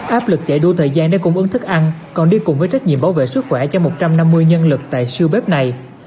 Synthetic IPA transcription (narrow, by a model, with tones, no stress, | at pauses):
ʔaː˦˥p̚lɨ˨˩k̚t͡ɕe˧˩ɗu˧t̪ʰəː˨˩jzaː˧nɗa̰ː˧˥kʊ̰˧˥ŋ͡mʔɨ˨˦ŋt̪ʰɨ˦˥k̚ʔa˧n | kɔ˨˩nɗi˧kʊ˨˩ŋ͡mvəː˨˦jt͡ɕa˦˥j̟̚ɲḭ˧˨əmɓaː˨˦wvḛ˧˨sɨ˦˥k̚xwɛ˧˩t͡ɕɔ˧mo˨˩t̚t͡ɕa˧mna˧mːɨ˧əjɲə˧nlɨ˨˩k̚t̪a̰ː˧˨jsɨ˧wɓe˦˥p̚na˨˩j